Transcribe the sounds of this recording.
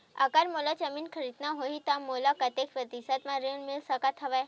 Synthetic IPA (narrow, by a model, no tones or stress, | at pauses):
a̰kaɾmolat͡ʃəminkʰəɾid̪naɦoit̪ãmolakɐt̪ekʰpət̪isat̪mãɾenmɪlsəkat̪ʰɐʋaj